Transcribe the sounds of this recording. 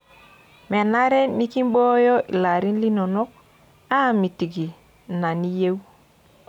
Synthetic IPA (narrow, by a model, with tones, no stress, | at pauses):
mɛ˨na˦ɾɛ˦ni˦ki˦m˦bɔ˦jɔ˦ʔḭ˨la˨ɾi˦nli˦nɔ˨nɔ˦k̚ | a˦˨mi˨ti˨ɡi˨ | na˨ni˦je˦w